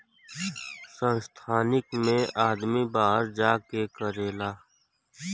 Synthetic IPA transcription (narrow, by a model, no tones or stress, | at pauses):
sə̃nst̪ʰaːnɪkmẽaːd̪mibaːɦəɾd͡ʒaːkekəɾeːlaː